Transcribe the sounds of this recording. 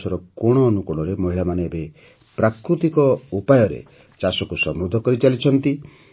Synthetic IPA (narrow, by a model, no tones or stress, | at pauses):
sɔɾɔkoɽ̃ɔːnukɔɽ̃ɔɾemɔɦiɭamaneːbe | pɾakɾut̪ikɔupajɔɾḛ | t͡ʃasɔkusɔmɾud̪ʱɔkɔɾit͡ʃalit͡ʃʰɔnt̪i